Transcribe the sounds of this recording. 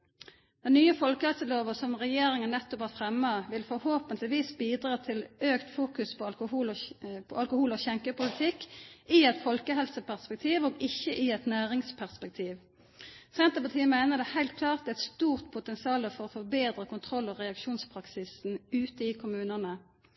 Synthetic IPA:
d̪̥ɛnnyːəfɔlkəhɛlsəloːʋəsɔmʁɛjeːɾɪŋənnːɛt̪ːɔphɑːfʁɛmːɑʋɪlfɔɾhoːpənt̪lɪʋiːsbiːd̪ʁɑːt̪ʰɪløːkt̪fuːkʉspʰɔɑlkʊuːlpʰɔ̰ɑlkʊhuːlɔçɛŋkəpʊlɪt̪ʰɪkɪɛt̪fɔlkəɦɛlsəpʰæʁspɛk̚t̪ʰiːʋoːɡɪçːəʔɪɛt̪næːʁɪŋspʰæʁspɛk̚t̪ʰiːʋ | sɛnt̪əpɑt̪ʰiːəmæɪnəʁd̪ɛhæɪlt̪̚kʰlɑːʁt̪d̪ɛɛt̪st̪uːʁt̪pʰʊt̪ɛnsɪɑːləfɔʁɔfɔbeːd̪ɾəkʊnt̪ʰʁɔlɔʁɛɑkʃuːnspʰɾɑksɪsn̩ʉːt̪əɪkʰʊmʉːnənə

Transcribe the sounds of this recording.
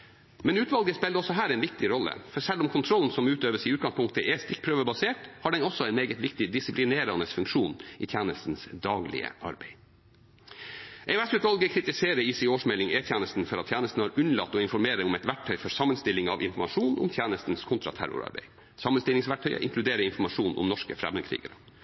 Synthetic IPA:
mɛnʉːt̪ʋɑlɡəspɛːld̪əɔsɔɦæːɾɛɪnʋɪk̚t̪ɪɾɔlːə̰fɔɾsɛlːʊmkʰʊnt̪ʰɾɔln̩sɔmʉːt̪øːʋəsiːʉːt̪̚ɡɑŋspʰʊŋkt̪əʔɛst̪ɪk̚pʰɾøːʋəbɑseːʈhɑːɖɛnɔsːɔɛɪnmeːɡət̪ʋɪkt̪ɪd̪ɪsɪplɪneːɾɑnəsfʉŋkʂuːnḭːt̪ʰjæːnəst̪n̩sd̪ɑːɡlɪ̰ə̰ʔɑ̰ɾbeɪ | ʔɛɪʉɛsʉːt̪ʋɑlɡəkʰɾɪt̪ɪseːɾəiːsioːʂmɛlɪŋeːt̪ʰjæːnəst̪n̩fɔɾɑt̪ʰːjæːnəst̪n̩hɑːɾʉnlɑ̰t̪ːɔːɪnfɔɾmeːɾəʊmɛt̪ʋæʈ̚ʰːœʏfɔɾsɑmːənst̪ɪlːɪŋɑ̰ʋɪ̰nfɔɾmɑʂuːnʔʊ̰mt̪ʰjæːnəst̪nskʰʊnt̪ɾɑ̰t̪ʰæ̰ɾʊ̰ɾɑ̰ɾbḛɪ | sɑmːənst̪ɪlɪŋsʋæʈ̚ʈʰœʏ̰ʔɪ̰ŋkʰlʉd̪eːɾəɪnfɔmɑʂuːnʔʊ̰mnɔʂkə̰fɾɛ̰mənkʰɾḭːɡəɾə

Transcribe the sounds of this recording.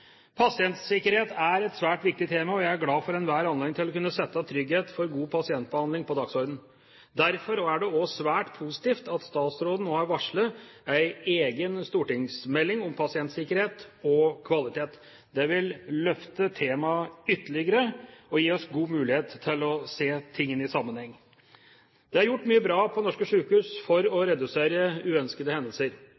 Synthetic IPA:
pʰɑsɪɛnt̪sɪkəɾheːt̪æɾɛt̪sʋæːʈʋɪk̚t̪ɪt̪ʰeːmɑɔjæɪæɡlɑːfɔɾɛnʋæːɾɑnleːɪŋt̪ɪlɔkʉnːəsɛt̪ːət̪ʰɾʏɡheːt̪fɔɾɡuːpʰɑsɪɛnt̪̚bəhɑnd̪ɪŋpɔd̪ɑksɔɾd̪n̩ | d̪æɾfɔɾoæɖɛɔsʋæːʈpʰuːsɪ̥t̪iːft̪ɑt̪st̪ɑːt̪sɾoːd̪n̩oːæɾʋɑʂɭəæɪeːɡənst̪uːʈɪŋsmɛlːɪŋʊmpʰɑsɪɛnt̪sɪkəɾheːt̪ɔkʰʋɑlɪt̪ʰeːt̪ | d̪ɛʋɪlːœft̪ət̪ʰeːmɑʏt̪ːəɭɪɡəɾəɔjiːɔsɡuːmʉːlɪheːt̪ʰːɪlɔseːt̪ʰɪŋːənɪsɑmːənhɛŋː | d̪̥ɛɑɾjʊʈːmyːəbɾɑːpʰɔnɔʂkəʂʉːkhʉːsfɔɾɔɾɛd̪ʉseːɾəʉːœnskəd̪əhɛnd̪əlsəɾ

